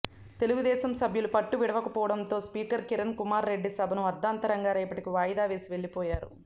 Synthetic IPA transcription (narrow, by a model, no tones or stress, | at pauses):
t̪e̞luɡud̪ɛːsɐmsɐbʱjulupɐʈːuʋiɽɐʋɐkɐpɔːʋɐɽɐnt̪o̞ːspiːkɐɾkiɾɐnkumaːɾːe̞ɖːisɐbʱɐnuɐd̪ːaːnt̪ɐɾɐŋɡaːɾɐːpɐʈikiʋaːjɐd̪aːʋe̞ːsiʋe̞ɭːipɔːjaːɾṵ